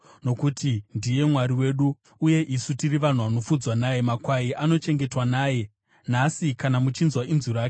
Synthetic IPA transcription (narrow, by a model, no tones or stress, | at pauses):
no̞kutindije̞mwaɾiwe̞ːɗuː | je̞ʔisutiriʋan̤uʋano̞fud͡zwanajemakwaiano̞t͡ʃe̞ŋɡe̞twanaːje̞ | n̤asikanamut͡ʃinzwainzuɾaːke